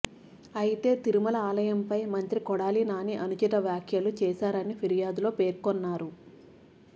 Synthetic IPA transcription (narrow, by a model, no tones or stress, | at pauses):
ɐjit̪e̞ːt̪iɾumɐlɐaːlɐjɐmpɐjmɐnt̪ɾikɔɽaːlinaːniʔɐnut͡ʃit̪ɐʋjaːkʰjɐlut͡ʃɛːʃaːɾɐnipʰiɾijaːd̪ulo̞ːpeːɾkɔnːaːɾu